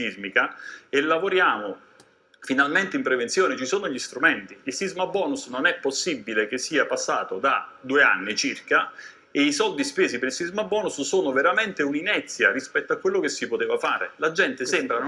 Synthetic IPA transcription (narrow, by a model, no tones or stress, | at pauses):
izmikaelːavoɾjaːmo | finalment̪eimpɾevent̪sjoːnet͡ʃisoːnoʎist̪ɾument̪iilsizmabːɔːnusnonɛpːosːibːilek̟esːiːapasːaːt̪od̪ad̪uea̰nːit͡ʃirka | eisɔld̪ispeːzipeɾilsizmabːɔːnussoːnoveɾament̪euninɛt̪sːjaɾispɛt̪ːoakːwelːok̟esːipot̪eːvafaːɾḛlad͡ʒɛnt̪esɛmbɾan